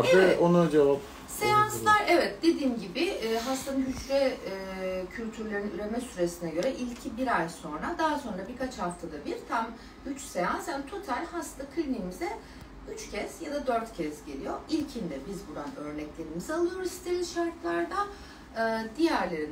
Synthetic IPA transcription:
ɛonud͡ʒevap | se̞janslˠaɾɛvɛt̪̚d̪e̞d̪iːnɟibɪːɦast̪anɯnɦyt͡ʃlɛ | cʰylʲt̪ʰyɾlʲeɾinnyɾe̞mɛsyɾe̞sinɛɟø̞ɾɛʔilʲcʰibiɾajso̞nɾad̪aɦso̞nɾabiɾkʰat͡ʃhaft̪ʰad̪abiɾt̪ʰam | yt͡ʃse̞jansjaːnit̪ʰo̞t̪ʰalʲhast̪akʰɯlʲniːmizɛ | yt͡ʃcʰɛz̥jad̪ad̪ø̞ɾt̪cʰɛzɟe̞lʲijo̞ilʲcʰind̪ɛbizbuɾanø̞ɾnɛclʲe̞ɾimizɛalˠɯjo̞ɾuzi̥st̪ʰeɾinʃaɾk̪lˠaɾd̪a | ɯd̪ijæɾlʲe̞ɾin

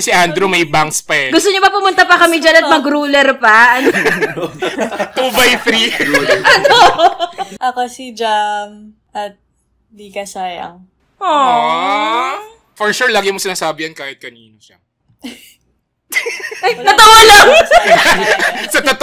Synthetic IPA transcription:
ɐsɛʔand̪ɾumɐjbaŋkspɐɛɡʊst̪oɲopɐpʊmʊnt̪apɐkɐmɛd͡ʒanɐt̪̚mɐɡɾuːlɛɾpɐɐn | t̪ubajθɾiʔand̪ɾo | ʔɐkosid͡ʒam | ɐt̪̚ | likɐsaːjɐ̰ŋ | ʔo | fɔɹʃuɹlaːɡɪmosɪnaːsaːbɪjɐnkaːhɪt̪̚kɐniːnoʃɐ | nɐt̪owɐlaŋ | sɐt̪ot̪

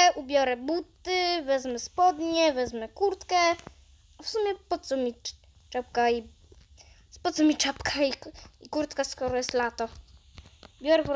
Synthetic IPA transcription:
ʔubʲjɔɾɛbut̪ːɘvɛzmɛspɔd̪ɲɛvɛzmɛkuɾt̪kɛ | afsumʲjɛpɔt̪sɔmʲi | t͡ʂɛp̚kai | pɔt̪sɔmʲit͡ʂapkʰaiikuɾt̪kaskɔɾɔjɛst̪lat̪ɔ | bʲjɔɾɛpɔ

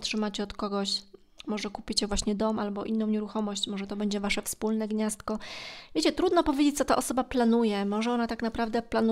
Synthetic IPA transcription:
tʂɘmat͡ɕɛɔt̪kɔɡɔɕ | mɔʐɛkupʲit͡ɕɛvwaɕɲɛd̪ɔmalbɔʔinːɔ̃w̃ɲɛɾuxɔmɔɕt͡ɕmɔʐɛt̪ɔbɛɲd͡ʑɛvaʂɛfspulnɛɡɲast̪kɔvʲjet͡ɕɛt̪ɾud̪nɔpɔvʲjed͡ʑet͡ɕ̚t̪sɔt̪a̰ʔɔsɔbaplanujɛmɔʐɛɔnat̪aknapɾavd̪ɛplanu

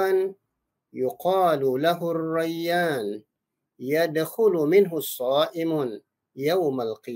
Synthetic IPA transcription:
an | jʊqɑːlʊlaɦʊrˤːajːaːn | jad̪xʊlʊmɪnɦʊsˤːɑːʔɪm | jawmalqɨ

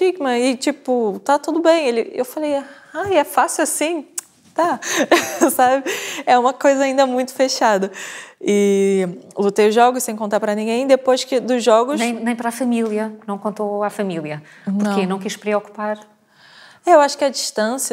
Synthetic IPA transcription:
ʃiɡmɐɪt͡ʃipʊt̪at̪ud̪ʊbẽj̃elɪḛwfaleja | ajɛfasiuasĩ | t̪a | sabɪɛũmɐkojzɐaːĩnd̪ɐmũj̃t̪ʊ̥feʃad̪ɐɪ | lut̪ejʊʒɔɡʊʃsẽj̃kõnt̪aɾpɾɐnĩɡẽj̃d̪epojʃkɪd̪ʊzɔɡʊñj̃nẽj̃pɾafɐmilˠiɐnɐ̃w̃kõnt̪oafɐmilˠiɐ | nʊɾɐ̃kenɐ̃w̃kiʃpɾiɔku̥paɾ | ɛewaʃʊ̥kɪɐd͡ʒiʃt̪ɐ̃sjɐ

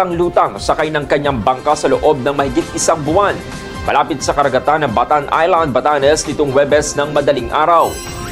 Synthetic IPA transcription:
ɐŋluːt̪ɐŋsɐkajnɐŋkɐɲːaŋbɐŋkasɐloʔo̞b̚nɐŋmɐhɪɡɪt̪̚ʔɪsaŋbʊan | mɐ̰laːpɪt̪̚sɐkɐɾɐɡɐt̪anːɐŋbɐt̪anʔa̰jland̪̚bɐt̪anɛsnɪt̪oŋwɛbɛsnɐŋmɐd̪ɐliŋʔaːɾɐw

